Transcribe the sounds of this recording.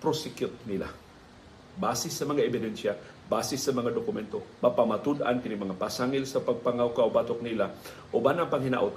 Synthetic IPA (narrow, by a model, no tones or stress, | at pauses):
pɾosɪkjʊt̪̚nɪla̰ | baːsɪsɐmɐŋaʔɛbɪd̪ɛnʃja | baːsɛsɐmɐŋad̪okʊmɛnt̪omapamat̪ud̪ʔa̰nkɪnɪmɐŋapasaŋɪlsɐpɐɡ̚paŋawkaʔobat̪ok̚nɪla | ʔobanɐŋpɐŋhɪna̰ʔʊt̪